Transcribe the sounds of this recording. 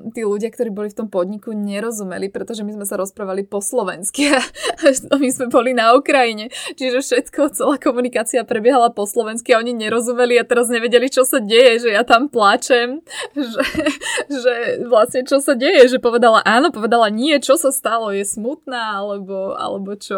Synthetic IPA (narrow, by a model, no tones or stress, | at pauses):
t̪iːluɟɪak̚t̪ɔɾiːbɔlift̪ɔmpɔd̪ɲikuɲɛɾɔzumɛ̰lipɾɛt̪ɔʒɛmizmɛs̬aɾɔspɾaːʋalipɔslɔʋɛnskia | mizmɛbɔlinaukɾajiɲɛt͡ʃiʒɛfʃɛt̪kʰɔt͡sɛlaːkɔmunikaːt͡siapɾɛbjɛɦalapɔslɔʋɛnskiaɔɲiɲɛɾɔzumɛliat̪ɛɾazɲɛʋɛɟɛlit͡ʃɔsaɟɛjɛʒɛjat̪amplat͡ʃɛmʒɛ | ʒɛʋlasɲɛt͡ʃɔsaɟɛjɛʒɛpɔʋɛd̪alaʔaːnɔpɔʋɛd̪alaɲɪɛt͡ʃɔsast̪alɔjɛsmut̪naːalɛbɔa̰lɛbɔt͡ʃɔ